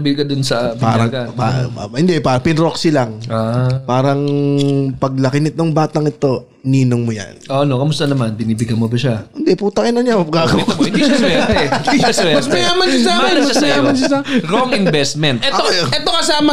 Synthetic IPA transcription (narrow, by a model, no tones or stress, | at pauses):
bɪlkɐd̪ʊnsɐpa̰ːɾɐŋapa̰hɪnd̪ɛpaːɾɐŋpɪnɾoksilɐŋapaːɾɐŋ | pɐɡ̚lɐkɪnɪt̪oŋbaːt̪ɐŋɪt̪o̞ | niːnoŋmʊja̰nʔoʔɐnokɐmʊst̪ɐnɐmanbɪniːbɪɡɐmobɐʃahɪnd̪ɛpuːt̪ɐkɪnɐnjaɐɡaːɡɐwɪniasɛt̪ɛɪisɛmɐsmɐjaːmɐnʃasaːɛmɐsmɐjaːmɐnʃɐsaɾoŋɪnbɛst̪̚mɛnt̪ɛojʔɛt̪okɐsaːmɐ